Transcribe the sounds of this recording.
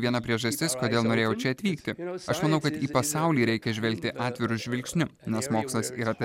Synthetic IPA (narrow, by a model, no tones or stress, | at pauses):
ʋʲiɛnɐpʲɾʲiɛʒɐsʲt̪ʲɪskoːd̪ʲeːlˠnoːɾʲeːjɛʊt͡ʃʲɛɐt̪ʲʋʲiːkt̪ʲɪɐʃmɐnɐʊkɐt̪iːpɐsɑˑʊlʲiːɾʲɛɪkʲɛʒʲʋʲɛlʲk̚t̪ʲɪʔɑːt̪ʲʋʲɪɾʊʒʲʋʲɪlʲksʲnʲʊnʲɛsmoːkslˠɐsḭːɾɐt̪ɐ